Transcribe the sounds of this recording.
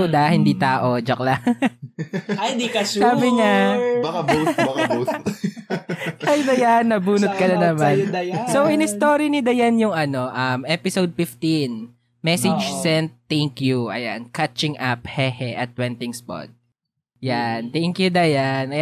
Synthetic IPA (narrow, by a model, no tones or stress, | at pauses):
d̪ɐhɪnd̪iːt̪aːʔod͡ʒɐkla | d̪iɐsaːbɪɲab | ɐjd̪ɐjanːɐbuːnʊt̪̚kɐnɐnɐmansowʔɪnɪst̪oːɾinɪd̪ɐjanjʊŋɐno̞ʔɐmʔɛpɪsowd̪̚fɪft̪in | mɛsɪd͡ʒsɛnt̪ːɛŋkjuʔɐ̰ja̰nkat͡ʃɪŋʔap̚hɛhɛʔɐt̪̚wɛnt̪ɪŋspɔ̰d̪̚ | jant̪ɛŋkjʊd̪ajan